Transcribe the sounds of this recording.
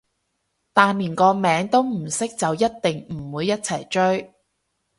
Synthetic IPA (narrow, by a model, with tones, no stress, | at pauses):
t̪aː˨nliː˨˩nkɔː˧mɛː˨˥ŋt̪o˥wm̩˨˩sɪ˥k̚t͡sɐ˨wjɐ˥t̚t̪ɪ˨ŋm̩˨˩wuː˨˧jːɐ˥t̚t͡sʰɐ˨˩jt͡ʃɵ˥ɥ